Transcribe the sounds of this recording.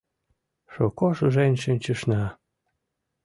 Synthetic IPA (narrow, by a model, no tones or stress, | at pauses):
ʃokoʃɤʒenʲʃenʲt͡ɕəʃnɑ